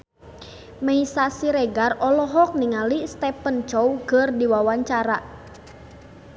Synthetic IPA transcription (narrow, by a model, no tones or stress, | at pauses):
mɛisasiɾɛɡarɔlɔɦɔk̚niŋalist̪ɛpənt͡ʃɔwkərdiwawaɲt͡ʃaɾa